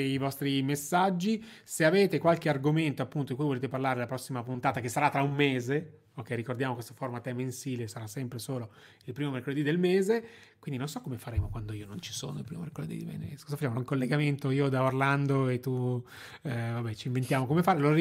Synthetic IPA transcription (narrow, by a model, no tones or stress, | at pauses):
ivɔst̪ɾimesːad͡ʒːi | seaveːt̪ekwalk̟earɡoment̪oapːunt̪od̪ikuijvoleːt̪eparlaːɾelapɾɔsːimapunt̪aːt̪akesːaɾat̪ːɾaumːeːze | okːɛːikord̪jaːmokwest̪oformat̪ɛmensiːlesaɾasːɛmpɾesoːlo | ilpɾiːmomerkoled̪id̪elmeːze | kwind̪inonsɔkːomefaɾeːmokwand̪oiːonont͡ʃi̥so̰ːnoilpɾḭːmo̰mḛrkolḛd̪ḭd̪imɛ̰nskɔzafat͡ʃːamoloiŋkolːeɡament̪oiːod̪aorland̪oet̪ːu | vabɛt͡ʃiɱvent̪jaːmokomefaːɾelo